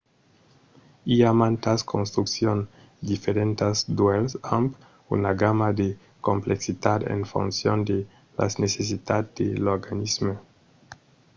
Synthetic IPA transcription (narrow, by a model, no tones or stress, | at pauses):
iamant̪askʰonst̪ɾuksjon | d̪ifeɾent̪azd̪welsamp | ṵnaɡamad̪e | kompleksit̪ad̪ḛnfṵnsjond̪e | la̰sneses̬it̪at̪d̪eloɾɡanizme